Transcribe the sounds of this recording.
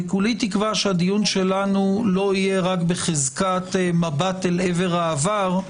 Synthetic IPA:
ekulit̪ikvaʃead̪ijunʃe̞lanulo̞ijeʁakbeχezkat̪mabat̪eleve̞ʁaːvaʁ

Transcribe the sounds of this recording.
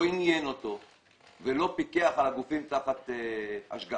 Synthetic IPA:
injeno̞to̞ | velo̞pikeaχalaɡufimt̪aχat̪ea̰ʃɡa

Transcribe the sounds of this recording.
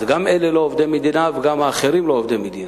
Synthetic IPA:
ɡamʔelelo̞ovd̪emed̪inaveɡamaːχeɾimloovd̪imːed̪in

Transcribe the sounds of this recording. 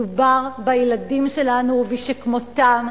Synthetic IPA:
ubaʁbajeladimʃe̞lanuviʃekmot̪am

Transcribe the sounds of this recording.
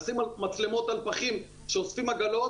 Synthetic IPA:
simamat͡slemo̞t̪alpaχim | ʃeosfimaɡalo̞

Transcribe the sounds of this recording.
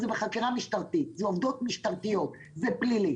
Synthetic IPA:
zebeχakiʁamiʃt̪aʁt̪it̪zeovd̪o̞t̪miʃt̪aʁt̪ijo̞t̪ | zeplili

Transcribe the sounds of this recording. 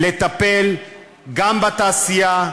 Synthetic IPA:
let̪apel | ɡambat̪aːsija

